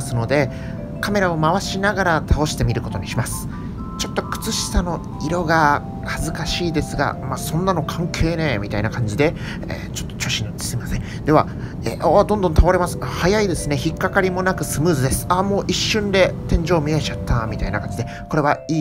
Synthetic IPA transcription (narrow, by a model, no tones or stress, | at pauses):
sɨno̞d̪e̞ | kame̞ɾao̞maβaɕinaɡaɾat̪ʰao̞ɕi̥t̪e̞mʲiɾɯ̟ko̞t̪o̞ɲ̟iɕimasɨ̥ | t͡ɕo̞t̪ːo̞kɯ̥t͡sɨɕi̥sano̞ | iɾo̞ɡa | hazɨkaɕiːd̪e̞sɨɡa̰maːsõ̞nːano̞kʰãŋkʰe̞ːne̞ːmʲit̪ainakãɲ̟d͡ʑid̪e̞ | ḛt͡ɕo̥t̪ːo̥t͡ɕo̞ːɕinot͡ɕi̥seimasẽ̞ŋ | d̪e̞βa̰ | eʔad̪õnd̪õ̞nt̪ʰao̞ɾe̞masɨ̥hajaid̪e̞sɨne̞çikːakaɾʲimo̞nakɯ̟sɨmɯ̟ːzɨd̪e̞sɨ̥amo̞ːʔiɕːɨ̃nd̪e̞t̪ẽ̞ɲ̟d͡ʑo̞ːmʲiet͡ɕat̪ʰːamʲit̪ainakãɲ̟d͡ʑid̪e̞ | ko̞ɾe̞β̞aiː